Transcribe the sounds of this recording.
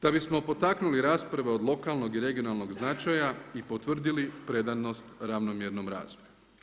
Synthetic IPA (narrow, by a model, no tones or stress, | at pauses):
d̪̥abismo̞po̞t̪aknuliɾaːspɾaʋe̞o̞d̪lˠo̞kalˠno̞ɡiɾe̞ɡio̞nalˠno̞ɡznat͡ʃajaipo̞t̪ʋr̩d̪ilipɾe̞d̪ano̞st̪ɾaʋnomjeɾno̞mɾa̰ːzoju